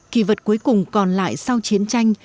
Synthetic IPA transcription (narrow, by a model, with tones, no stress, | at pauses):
ki˧˩və˨˩t̚ku˨˦əjkʊ˨˩ŋ͡mkɔ˨˩nla̰ː˧˨jsa˧wt͡ɕi˨˦ənt͡ɕa˧jŋ̟